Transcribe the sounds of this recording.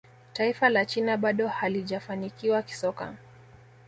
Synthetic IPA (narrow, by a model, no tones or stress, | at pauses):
taifalat͡ʃinaɓaɗɔhaliʄafanikiwaki̥sɔka̰